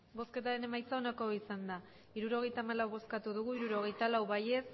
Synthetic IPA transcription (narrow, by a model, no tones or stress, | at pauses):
bo̞ske̞t̪aɾe̞ne̞majt͡saonako̞isand̪a | iɾuɾo̞ɣ̞e̞jt̪aːmalawβo̞skat̪uðuɣ̞uiɾuɾo̞ɣ̞e̞jt̪alawβaje̞s